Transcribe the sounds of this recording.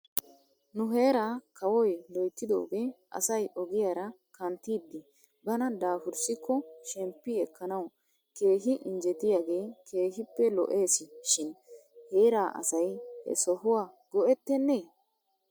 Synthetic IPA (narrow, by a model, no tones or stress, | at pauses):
nʊɦe̞ːɾaːkʰɐwɔjlɔjt̪ːɪd̪o̞̰ːɡeʔɐ̰sɐjʔɔɡɪjaɾɐ | kɐnt̪ːiːd̪ːɪ | bɐnɐd̪aːfʊɾsɪkʰːɔʃɛmpːɪɛkːɐnɐw | ke̞ːhɪʔɪnd͡ʒɛt̪ɪjaːɡe̞ːkʰe̞ːhɪpːɛlɔ̰ʔe̞ːsɪʃɪnhe̞ːɾaːʔɐ̰sɐjhɛ̰sɔɦʊwaːɡ̥ɔʔɛt̪ːɛnːeː